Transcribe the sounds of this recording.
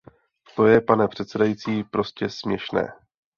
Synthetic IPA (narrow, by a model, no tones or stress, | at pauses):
t̪o̞jɛpanɛpr̝̥ɛt̪sɛdajit͡siːpɾo̞scɛsmɲɛʃnɛ̰ː